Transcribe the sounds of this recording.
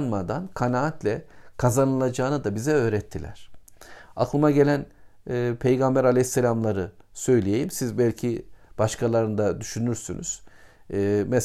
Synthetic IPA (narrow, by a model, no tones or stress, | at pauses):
nmad̪ankʰanaat̪lʲɛkʰazanɯlˠad͡ʒaːnɯd̪abizɛø̞ːɾɛt̪ʰːilʲæ̰ɾ̥ | aklˠɯmaɟelʲænː | pʰe̞jɡambæɾalʲejsːelʲamlˠaɾɯsø̞jlʲije̞jimsizbælʲcʰib̥aʃkʰalˠaɾɯnd̪ad̪yʃynyɾsy̰nʔy̰z̥ | mɛ